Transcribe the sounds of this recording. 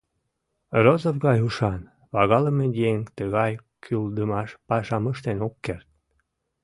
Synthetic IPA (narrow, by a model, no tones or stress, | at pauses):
rozofɣɑjuʃɑn | βɑɣɑləmejeŋt̪əɣɑj | kʰyld̪əmɑʃpɑʃɑməʃt̪enokːert̪̚